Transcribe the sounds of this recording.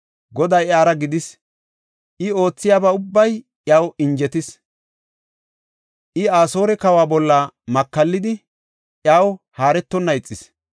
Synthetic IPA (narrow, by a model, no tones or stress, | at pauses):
ɡɔd̪ɐjaːɾɐɡɪd̪ɪs | ʔɪo̞ːt͡sːɪjaːbɐʊbːɐj | ʔjaːwɪnd͡ʒɛt̪ɪs | ʔɪaːso̞ːɾɛkɐwaːbɔlːamɐkːɐlːɪd̪ɪ | ʔjaːwhaːɾɛt̪ːɔnːɐɪt͡sʼːɪs